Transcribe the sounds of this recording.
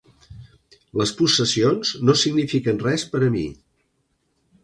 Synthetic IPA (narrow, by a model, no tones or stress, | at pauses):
ləspusəsionznosiɡnifikənrɛspəɾəmḭ